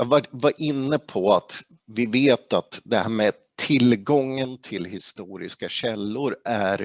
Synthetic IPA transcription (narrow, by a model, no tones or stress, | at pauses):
jɑvavaɾʔɪnːəpʰɔat̪ | vɪveːt̪at̪d̪ɛhæːɾmɛ | t̪ʰɪlɡɔŋːənt̪ʰɪlɦɪst̪uːɾɪ̰skaɕɛlːʊɾæɾ